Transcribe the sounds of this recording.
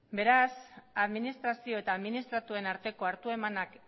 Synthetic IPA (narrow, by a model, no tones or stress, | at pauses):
be̞ɾasaðminist̪ɾasio̞e̞t̪aːðminist̪ɾat̪ue̞naɾt̪e̞ko̞aɾt̪ue̞manak